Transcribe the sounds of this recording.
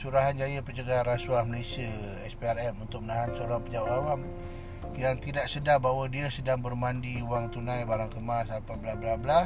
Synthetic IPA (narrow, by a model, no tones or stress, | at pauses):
suɾaɦand͡ʒajəpət͡ʃəɡaɾasuahməlesiə | ɛspeaɾɛmunt̪ʊk̚mənaɦansəoɾaŋpəd͡ʒaaʔawam | jaŋt̪idaʔ̚sədahbawadiəsədaŋbərmandiuwaŋt̪unãjbaɾaŋkəmasapabəlahbəlahbəla